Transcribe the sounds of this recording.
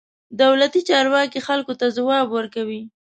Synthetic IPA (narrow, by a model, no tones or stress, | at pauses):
d̪awlat̪it͡ʃɑɾwɑkixalkot̪azawɑbwəɾkawi